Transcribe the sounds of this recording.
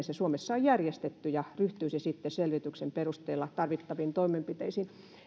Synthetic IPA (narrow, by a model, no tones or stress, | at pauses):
sesuomesːɑojjærjest̪et̪ːyjɑryht̪yːsesit̪ːeselʋit̪yksemperust̪eːlːɑt̪ɑrʋit̪ːɑʋiːnt̪oimempit̪eisiːn